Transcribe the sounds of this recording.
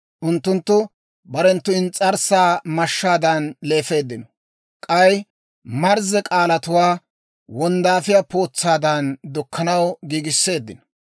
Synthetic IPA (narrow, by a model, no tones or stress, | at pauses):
ʔʊnt̪ːʊnt̪ːʊ | bɐɾɛnt̪ːʊɪnt͡sʼːɐɾsaːmɐʃːaːd̪ɐnle̞ːfe̞ːd̪ːɪnɔ | kʼɐj | mɐɾzɛkʼaːlɐt̪ʊwaː | wɔnd̪aːfɪjapo̞ːt͡sːaːd̪ɐnd̪ʊkːɐnɐwɡiːɡɪsːe̞ːd̪ːɪnɔ̥